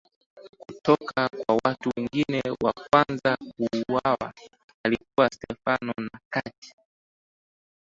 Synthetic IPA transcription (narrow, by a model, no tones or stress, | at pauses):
ku̥tɔkakwawatuwɛŋɡinɛwakwanzakuːwawa̰ | alikuwastɛfanɔnakati̥